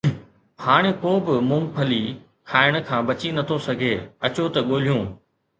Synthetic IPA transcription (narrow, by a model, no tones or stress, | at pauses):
haːɽ̃ekoːbɪmʊ̃ŋpʰɐli | kʰaːɪɽ̃ʊ̆kʰãːbɐt͡ɕinɐt̪ʰosɐɡʱeːɐt͡ɕot̪ɐɠoːl̤ijõː